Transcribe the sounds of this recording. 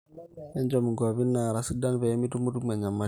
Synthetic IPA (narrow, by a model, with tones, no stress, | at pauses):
ɛ˦nd͡ʒo˨mi˨ŋɡa˨βi˦nːa˨ɾa˨si˦da˦nve˨˦mi˦tu˦mu˦tu˦ma˨ɲa˨mːa˦